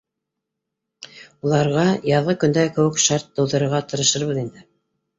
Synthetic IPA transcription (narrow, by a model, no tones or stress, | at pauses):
ulˠɑɾʁɑjɑðʁɤkɵ̆nd̪ækɘ̆wɘkʃɑɾt̪̚d̪ɤ̆wðɤ̆ɾɤ̆ɾʁɑt̪ɤ̆ɾɤ̆ʃɤɾβɤðind̪ɘ